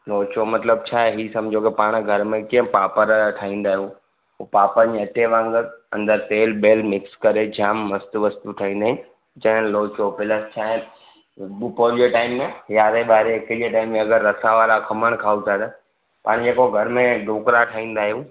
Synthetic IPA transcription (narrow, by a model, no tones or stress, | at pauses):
loːt͡ɕomɐt̪ləbt͡ɕʰaːɦeɦiːsɐmd͡ʑʱokepaːɽ̃ɡʱɐɾmẽkiə̃paːpəɾʈʰaːĩːnd̪aːɦijũ | paːpəɲiɐʈeʋãŋɡəɐ̰̃nd̪əɾt̪eːlbeːlmɪkskɐɾed͡ʑʱaːmːɐst̪uʋɐst̪uʈʰaːĩːn̆d̪aːɦɪnɪ | d͡ʑɐ̃ɦɪ̃nloːt͡ɕobɪləst͡ɕʰaːɦe | ɓupoɾd͡ʑeʈaːɪmːẽjaːɾeɓaːɾekəd͡ʑeʈaːɪmːẽɐɡəɾːɐsaʋalakʰɐməɽ̃kʰaːut̪ʰad̪ə | paːɽ̃d͡ʑeːkoɡʱɐɾmẽɖʱoːkɾaʈʰaːɦĩːn̆d̪aːɦijũ